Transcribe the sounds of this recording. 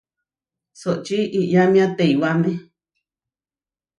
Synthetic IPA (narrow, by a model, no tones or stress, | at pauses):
soʔt͡ʃiʔiʔɲãmĩãt̪eiwamẽ